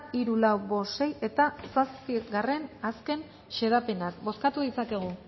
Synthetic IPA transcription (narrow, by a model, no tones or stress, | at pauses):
iɾulawbo̞se̞je̞t̪asaspiɣare̞naske̞n | ʃe̞ðape̞nak̚bo̞skat̪uðit͡sake̞ɣ̞u